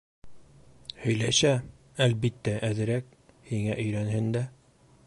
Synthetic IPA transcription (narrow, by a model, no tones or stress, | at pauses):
hɵ̆jlæɕæ | ælbit̪ːæʔæðɘ̆ɾæk̚ | hiŋæʔɵ̆jɾænhɘnd̪æ